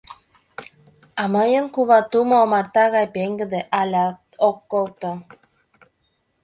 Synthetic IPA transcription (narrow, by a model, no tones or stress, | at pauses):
amajəŋkuβat̪umoːmaɾt̪aɣajpeŋɡəd̪eʔalʲat̪okːolt̪o